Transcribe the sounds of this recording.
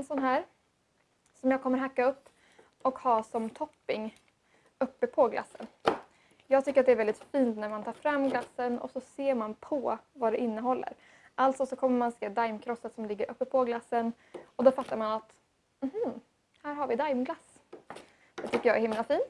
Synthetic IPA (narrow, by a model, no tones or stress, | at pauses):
ɛnsɔnɦæːɾ | sɔmjɑːkʰɔmːəɾɦakːaɵpː | ɔkhɑːsɔmt̪ʰɔpːɪŋ | ɵpːəpʰɔɡla̰sːə̰n | jɑːɡ̚t̪ʏkːəɾat̪d̪ɛæɾvɛld̪ɪt̪fiːnt̪næɾmant̪ʰɑːɾfɾamːɡlasːənɔ̰sɔseːɾmanpʰɔvad̪ɛʔɪnːəɦɔlːə̰ɾ | ʔalt̪sɔsɔkʰɔmːəɾmanseːd̪ajmkʰɾɔsːat̪sɔmlɪɡːəɾʔɵpːəpʰɔɡlasːən | ɔd̪ɔfat̪ːaɾmanat̪ | m̩hm̩ | hæːɾhaɾvɪd̪ajmɡlas | d̪̥ɛt̪ʰʏkːəɾjɑɛɾhɪmlafiːnt̪